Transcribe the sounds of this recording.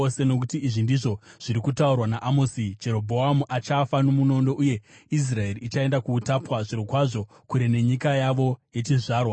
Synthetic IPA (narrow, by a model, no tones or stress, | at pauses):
ose̞no̞k̬utiiʐindiʐo̞ʐ̥iɾikutaurwanaʔamosid͡ʒe̞ɾo̞bʱo̞amuʔat͡ʃafano̞muno̞ndo̞ʔuje̞is̬rae̞riit͡ʃae̞ndakuːtapwaʐiɾokwaʐo̞ | kuɾene̞ɲikajaʋo̞je̞t͡ʃiʐaːrwa